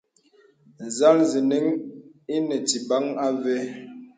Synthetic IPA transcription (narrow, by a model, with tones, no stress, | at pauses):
n̩˨za˦lzi˨ni˦ŋi˦nɛ˨ti˨ba˦ŋa˦vɛ˦